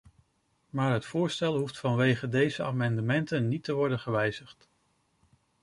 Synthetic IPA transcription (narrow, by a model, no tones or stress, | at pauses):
maːɹɦətfʊːɹstɛlˠɦuftfɑnʋejχədejzəa̰ːmɑndəmɛntənːitəʋɔɹdənχəʋɛjz̥əχt